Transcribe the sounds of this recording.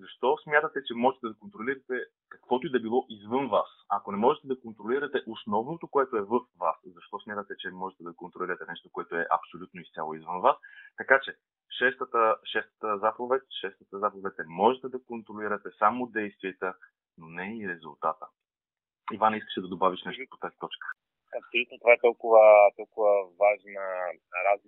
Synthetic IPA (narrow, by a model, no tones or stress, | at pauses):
zɐʃt̪ɔsmʲjat̪ət̪ɛt͡ʃɛmɔʒɛt̪ɛd̪ɐkont̪ɾoliɾɐt̪ɛ | kɐkvɔt̪oid̪ɐbilˠɔʔizvɤnvasɐkonɛmɔʒɛt̪ɛd̪ɐkont̪ɾoliɾɐt̪ɛʔosnɔvnot̪okoɛt̪oɛvəfvaszɐʃt̪ɔsmjat̪ət̪ɛt͡ʃɛmɔʒɛt̪ɛd̪ɐkont̪ɾoliɾɐt̪ɛnɛʃt̪okoɛt̪oɛʔɐ̰psolʲut̪noist̪sʲja̰lˠoizvənvast̪ɐkat͡ʃɛ | ʃɛst̪ət̪əʃɛst̪ə̥t̪əzapovɛt̪ʲʃɛst̪ət̪əzapovɛt̪ɛmɔʒɛt̪ɛd̪ɐkont̪ɾoliɾɐt̪ɛsamod̪ɛjst̪viɛt̪ə | nonɛiɾɛzʊlˠt̪at̪ə | ivaniskə̥ʃɛd̪ɐd̪obaviʃnɛʃt̪opo̥t̪azit̪ɔt͡ʃkə̥ | ɐpsolʲut̪not̪ovaɛt̪ɔlˠkʊvət̪ɔlˠkʊvəvaʒnə | ɾazli